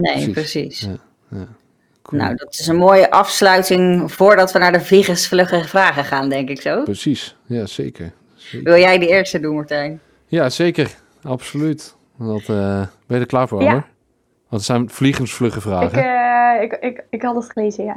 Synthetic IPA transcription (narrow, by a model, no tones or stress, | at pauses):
nejprəsḭs | ja | no̰wdɑtɪsənmoːjəʔɑfslœɥtɪŋv̥oːɹdɑtʋənaːɹdəvliχənsflɵχəvraːχəχaːndɛŋkɪksowpəsis | jaseːkəɹ | eʋɪlˠjɛjdəɪːɹstədunmɔɹtɛjn | jazejkər | ɑpsolyt | dɔtbɛdəklaːɹvʊːəɹ | ʋɑntəsɛjnv̥liχənsflɵχəvraːχəɪɪɪkhɑdətχəleːzəja